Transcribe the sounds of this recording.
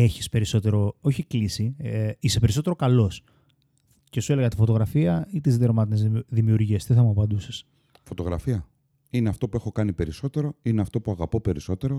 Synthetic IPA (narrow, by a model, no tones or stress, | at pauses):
e̞çi̥spe̞ɾiso̞t̪e̞ɾo̞oçiklisiise̞pe̞ɾiso̞t̪eɾo̞kɐlo̞s | ce̞sue̞le̞ɣɐt̪ifo̞t̪o̞ɣɾɐfiɐit̪izðieɾomɐt̪inezðimiuɾʝiest̪iθɐmuɐpɐnd̪use̥s | fo̞t̪o̞ɣɾɐ̰fiɐ | ineɐft̪o̞pue̞xo̞kɐnipe̞ɾiso̞t̪e̞ɾo̞ineɐft̪o̞puɐɣɐpo̞pe̞ɾiso̞t̪e̞ɾo